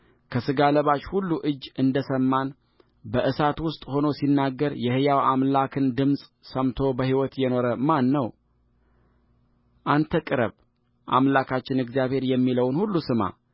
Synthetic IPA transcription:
kʰəsɨɡaləβat͡ʃhulːuʔɨd͡ʒːɨnd̪əsəmːan | bəʔɨsat̪wʊst̪ʼho̞no̞sinːaɡːəɾjɛhɨjawamlakʰɨnd̪ɨmsʼsəmt̪ʰo̞bəhiwɔt̪jɛno̞ɾəmanːəw | ʔant̪ʰəkʼɨɾə̰β | ʔa̰mlakat͡ʃːɪnɨɡzijaβhe̞ɾjɛmːiləwnhulːusɨma̰

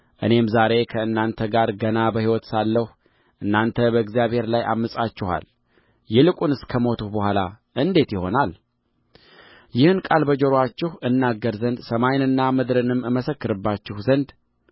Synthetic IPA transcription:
ʔɨ̰ne̞mzaɾe̞kʰəɨnːant̪ʰəɡaɾɡənabəhiwɔt̪salːəh | ʔɨnːant̪ʰəbəɨɡzijaβhe̞ɾlaja̰mːɨsʼat͡ʃːɪha̰l | jɛlɨkʼunɨskʰəmo̞t̪ʰuhbəhʷalaʔɨnd̪e̞t̪jɪho̞̰nal | jɪhɨnkʼalbəd͡ʒoɾoat͡ʃːɪhʔɨnːaɡːəɾzənd̪səmajnɨnːamɨd̪ɾɨnɨmːɨməsəkːɨɾɨbːat͡ʃːɪhzənd̪

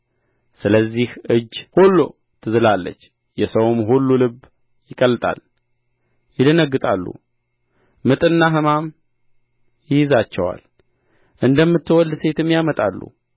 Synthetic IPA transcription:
sɨləzːihʔɨd͡ʒːhulːo | t̪ʰɨzɨlalːə̰t͡ʃː | jɛsəwmɦulːolɨb | jɪkʼəlːɨt̪ʼa̰l | jɪd̪ənəɡːɨt̪ʼalːṵ | mɨt̪ʼɨnːaɦɨmam | jɪjzat͡ʃːɛwa̰l | ʔɨnd̪əmːɨt̪ːɨwɔld̪se̞t̪ɨmːjamət̪ʼalːṵ

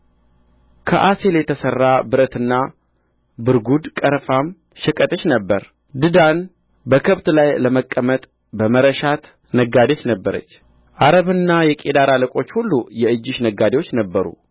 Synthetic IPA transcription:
kʰəʔase̞ljɛt̪ʰəsərːabɨɾət̪ɨnːa | bɨɾɡud̪kʼəɾfam | ʃɛkʼət̪ʼəʃnəbːəɾ | d̪ɨd̪an | bəkʰəβt̪lajləməkʼːəmət̪ʼ | bəməɾəʃat̪ | nəɡad̪et͡ʃnəbːəɾə̰t͡ʃː | ʔaɾəβɨnːajɛkʼed̪aɾaləkʼo̞t͡ʃːhulːujɛɨd͡ʒːɪʃnəɡːad̪ewot͡ʃːnəbːəɾṵ

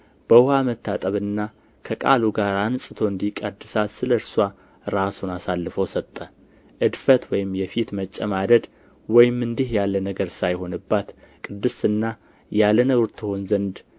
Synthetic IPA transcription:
b̥əʊhamət̪ːat̪ʼəβɨnːa | kʰəkʼa̰luɡaɾansʼɨt̪ʰo̞ɨnd̪ikʼəd̪ːɨsasɨləɨɾswa | ɾasunasalːɨfəwsət̪ʼːə | ʔɨd̪fət̪wɔjɪmjɛfit̪mət͡ʃʼːəmad̪əd̪ | wɔjɪmɨnd̪ihjalːənəɡəɾsajho̞nɨbːat̪kʼɨd̪ːɨsɨnːa | jalənəɡɾt̪ʰɨho̞nzənd̪

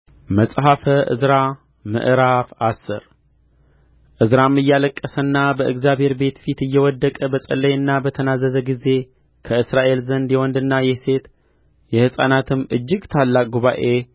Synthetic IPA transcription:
məsʼɦafəʔɨ̰zɾa | mɨ̰ʔɨɾafasɨ̰ɾ | ʔɨzɾamːɨjːaləkʼːəsənːabəʔɨɡzjabhe̞ɾbe̞t̪fit̪ɨjːɛwɔd̪ːəkʼəbəsʼə̰lːəjɨnːabət̪ʰənazːəzəɡize̞ | kʰəɨsɾaʔe̞lzənd̪jɛwɔnd̪ɨnːajɛse̞t̪ | jɛhɨsʼa̰nat̪ʰɨmːɨd͡ʒːɪɡt̪ʰalːakʼɡuβaʔe̞

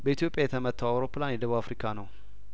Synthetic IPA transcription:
bəit̪ʰjo̞pʼjajɛt̪ʰəmət̪ʰːawawɾoplanjɛd̪əβuafɾikʰanəw

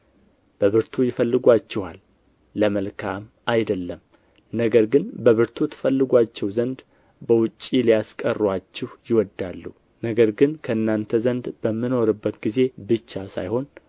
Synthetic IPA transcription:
b̥əβɨɾt̪ʰujɪfəlːɨɡʷat͡ʃːɛha̰lː | əməlkʰam | ajd̪əlːəm | nəɡəɾɡɨnbəβɨɾt̪ʰut̪ʰə̥fəlːɨɡʷat͡ʃːɛwzənd̪ | bəwʊt͡ʃʼːilijaskʼərːwat͡ʃːɛhjɪwɔd̪ːalːu | nəɡəɾɡɨnkʰəɨnːant̪ʰəzənd̪bəmːɨno̞ɾɨbːət̪ɡize̞bɨt͡ʃːasa̰jho̞n

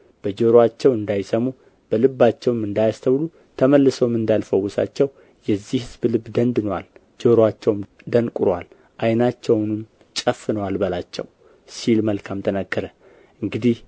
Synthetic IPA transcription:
b̥əd͡ʒoɾoat͡ʃːɛwɨnd̪ajsəmu | b̥əlɨbːat͡ʃːɛwmɨnd̪ajast̪ʰəwlu | t̪ʰəməlːɨsowmɨnd̪alfəwʊsa̰t͡ʃːɛw | jɛzːihhɨzblɨbːd̪ənd̪ɨnowa̰l | d͡ʒoɾoat͡ʃːɛwm | d̪ənkʼʊɾwal | ʔajnat͡ʃːɛwnɨm | t͡ʃʼəfːɨnəwalbəlat͡ʃːɛ̰w | silməlkʰamt̪ʰənəɡːəɾə | ʔɨŋɡɨd̪ih

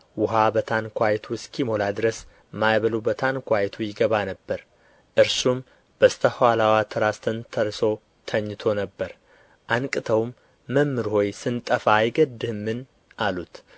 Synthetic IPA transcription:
wʊɦabət̪ʰankʰʷajt̪ʰuɨskʰimo̞lad̪ɨɾəs | majβəlubət̪ʰankʷajɛt̪ʰujɪɡəβanəbːəɾ | ʔɨɾsum | b̥əst̪ʰəhwalawat̪ʰəɾast̪ʰɨnt̪ʰəɾso̞ | t̪ʰəɲːɨt̪ʰo̞nəbːəɾ | ʔankʼɨt̪ʰəwmː | əmːɨɾho̞jsɨnt̪ʼəfaːjɡəd̪ːɨhmːɨn | ʔalut̪

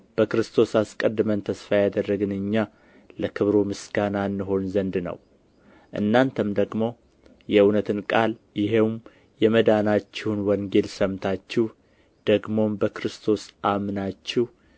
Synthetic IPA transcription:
b̥əkɾɨst̪ʰo̞saskʼəd̪ːɨmənt̪ʰəsfajad̪ərːəɡɨnɨɲːa | ləkʰɨβɾomɨsɡananːɨɦo̞nzənd̪nə̰w | ʔɨ̰nːant̪ʰəmd̪əɡmo̞ | jɛɨwnət̪ʰɨnkʼal | jɪɦewm | jɛməd̪anat͡ʃːɛwnwɔŋɡe̞lsəmt̪ʰat͡ʃːɛh | d̪̥əɡmo̞mbəkɾɨst̪ʰo̞sʔamnat͡ʃːɛh

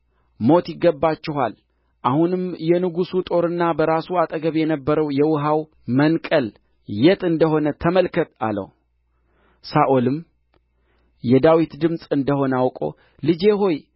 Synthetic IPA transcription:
mo̞t̪jɪɡːəbːat͡ʃːɪɦal | ʔahunɨmjɛnɨɡusut̪ʼo̞ɾɨnːabəɾasuat̪ʼəɡəβjɛnəbːəɾəwjɛwʊɦaw | mənkʼəl | jɛt̪ɨnd̪əɦo̞nət̪ʰəməlkʰət̪ʼa̰lə̰w | saʔolɨm | jɛd̪awit̪d̪ɨmsʼɨnd̪əho̞nəawkʼo̞̰ | lɨd͡ʒe̞ɦo̞j

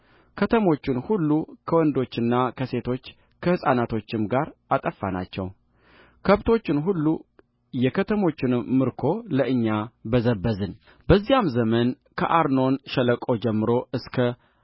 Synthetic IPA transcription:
kʰət̪ʰəmo̞t͡ʃːɪnhulːukʰəwɔnd̪o̞t͡ʃːɨnːakʰəse̞t̪ʰo̞t͡ʃː | kʰəhɨsʼanat̪ʰo̞t͡ʃːɪmɡaɾat̪ʼəfːana̰t͡ʃːɛ̰w | kʰəβt̪ʰo̞t͡ʃːɪnɦulːu | jɛkʰət̪ʰəmo̞t͡ʃːɪnmɨɾkʰo̞ləʔɨɲːabəzəbːəzɨn | bəzːijamzəmən | kʰə̰ʔaɾno̞nʃələkʼo̞d͡ʒɛmːɨɾo̞ʔɨskʰə

